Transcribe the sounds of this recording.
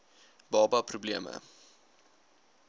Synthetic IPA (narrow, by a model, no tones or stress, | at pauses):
bɑːbɑprubliəmə̰